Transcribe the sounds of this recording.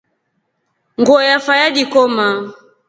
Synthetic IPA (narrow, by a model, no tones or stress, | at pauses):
ŋɡɔjafajadikɔma